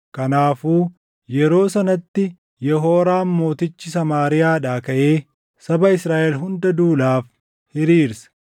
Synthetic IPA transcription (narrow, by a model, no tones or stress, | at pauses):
kɐnaːfuː | jɛɾo̞ːsɐnɐt̪ːɪ | jɛɦo̞ːɾaːmmo̞ːt̪ɪt͡ʃːɪsɐmaːɾɪjaːᶑaːkɐʔe̞ː | sɐbɐɪsɾaːʔɛlɦʊnd̪ɐd̪uːlaːf | hɪɾiːɾsɐ̥